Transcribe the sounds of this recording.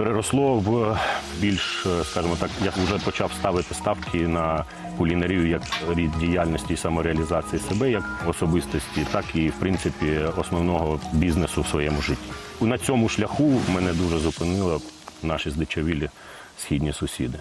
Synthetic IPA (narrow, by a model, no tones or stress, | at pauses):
peɾeɾɔslˠɔwbʲilʲʃskɑʒɪmɔt̪ɑkjaʊʒɛpɔt͡ʃɑwst̪ɑʋɪt̪ɪst̪ɑwkʰɪnɐ | kʊlʲinɐɾʲiʋʲijɐkɾʲid̪dʲijalʲnɔsʲtʲiːsɐmɔɾeɐlʲizɑt͡sʲijisebɛjɐkɔsɔbɪst̪ɔsʲtʲit̪ɑkiwpɾɪnt̪sɪpʲiɔsnɔwnɔɦɔbʲiznesʊwsʋɔjɛmʊʒɪtʲːinɐt͡sʲɔmʊʃlʲɐxumɛnɛd̪uʒɛzʊpɪnɪlˠɐnɑʃizd̪ɪt͡ʃɔʋʲilʲɪ | sxʲidʲnʲisʊsʲid̪ɪ